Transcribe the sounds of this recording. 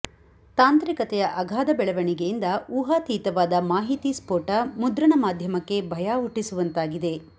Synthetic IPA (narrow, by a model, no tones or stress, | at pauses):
t̪aːnt̪ɾikɐt̪ɛjɐʔɐɡʱaːd̪ɐbɛɭɐʋɐɳiɡejind̪ɐuːɦaːt̪iːt̪ɐʋaːd̪ɐmaːɦit̪ispoːʈɐmud̪ɾɐɳɐmaːd̪ʱjɐmɐkːe̞bʱɐjaːɦuʈːisuʋɐnt̪aːɡid̪e̞